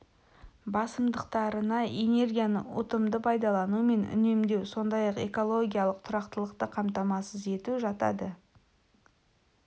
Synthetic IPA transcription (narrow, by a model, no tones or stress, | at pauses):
bɑsəmd̪əqt̪ɑɾənɑene̞rɡʲijanə̰ʊ̰t̪əmd̪əpʰɑjd̪ɑlˠɑnume̞nʏ̰ne̞md̪e̞wso̞nd̪ɑjɑqeko̞lˠo̞ɡʲijalˠəq̚t̪ʰʊɾɑqt̪əlˠəqt̪əqʰɑmt̪ɑmɑsəze̞t̪uʒɑt̪ɑ̰d̪ə